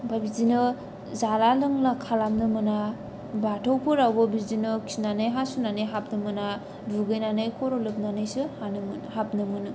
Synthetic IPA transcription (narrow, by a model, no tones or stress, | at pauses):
babizinɯ | zalalɯŋlakʰalamnɯmɯna | batʰowpʰɯɾawbɯbizinɯkʰi̥snanɯjɦasunanɯjɦap̚nɯmɯna | duɡɯjnanɯjkʰɔɾolɯp̚nanɯjsɯhanɯmnhap̚nɯmɯnɯ